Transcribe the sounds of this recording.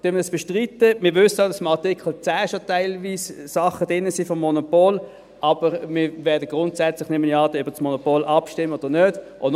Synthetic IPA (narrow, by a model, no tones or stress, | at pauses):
d̥ømədɑsb̥ɛʃtʁitəmɪʋʏsədɑsɪmɑʁtikʰəl̩t͡sæːʃotaɪlviːssɑχəd̥ɪnːəsiːfɔmːɔnopoːl | ʔɑbəʁmɪvɛːɐdəɡ̥ʁʊntsæt͡slɪχnɪməniɑːtəøb̥əsmonopoːlʔɑpʃtɪmːəod̥ənøːd̥ | ʔo